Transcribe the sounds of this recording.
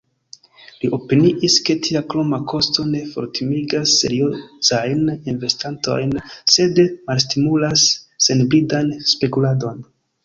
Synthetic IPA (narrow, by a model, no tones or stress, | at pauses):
liʔo̞piniʔiske̞tʰiaklo̞makʰo̞sto̞ne̞fo̞̰ɾtimiɡasːe̞̰ɾiozajninve̞stanto̞̰jnse̞dmalstimulasːe̞nbɾidanspe̞kulado̞n